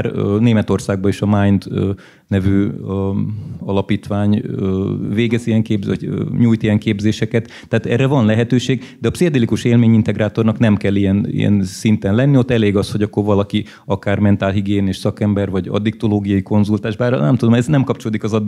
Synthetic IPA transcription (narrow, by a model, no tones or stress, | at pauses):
rneːmɛt̪o̞rsaːɡ̚bɒeːʃɒmajnt̪ː | nɛvyː | ɒlɒpiːt̪ʋaːɲøveːɡɛzijɛŋkeːbɒɲuːjt̪ijɛŋkeːbzeːʃɛkɛt̪ːɛaːt̪ɛrɛvɒnlɛɦɛt̪øːʃeːɡd̪ɛɒpsiɒd̪ɛlikuʃeːlmeːɲint̪ɛɡraːt̪o̞rnɒknɛmkɛlːijɛnḭjɛ̰nsint̪ɛnlɛnːio̞t̪ːɛleːɡɒsho̞ɟɒkːo̞rvɒlɒki | ɒkaːrmɛnt̪aːlɦiɡeːneːʃsɒkɛmbɛrvɒɟɒ̰d̪ik̚t̪oloːɡijɒjiko̞nzult̪aːʒbaːrnɛ̰mt̪ud̪omɛznɛmkɒp̚t͡ʃoloːd̪ikɒzɒd̪